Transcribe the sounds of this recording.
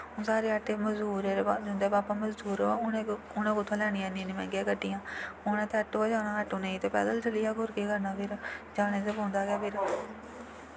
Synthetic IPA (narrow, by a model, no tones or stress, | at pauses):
õːsaːɾeːəʈeːməzd̪uːɾeːɾad͡ʒʊ̃nd̪eːbaːpãːməzd̪uːɾa | ʊnãːkʊt̪ʰːãːlɛːɽ̃iːãːnĩnimɛ̰̃ːɡeːkəʈːiːjãːʊñɛ̃ːt̪ʰeːəʈːoaːd͡ʒaːnãːəʈːõːnə̃ĩːt̪eːpɛ̰ːd̪əlt͡ʃəliːaːkʊɾkeːkəɾnãːpʰɪɾd͡ʒaːɽ̃eːt̪eːpõːnd̪aːɡɛːpʰɪɾ